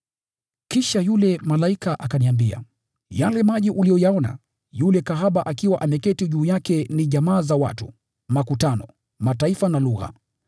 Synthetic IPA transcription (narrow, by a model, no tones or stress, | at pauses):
kiʃajulɛmalaikaʔakaniambia̰ | jalɛmaʄiʔulijɔjaɔna̰ | julɛkaɦaɓaʔakiwaʔamɛkɛtiʄuːjakɛniʄamaːzawa̰tṵ | makutanɔ | mataifanaluɣa̰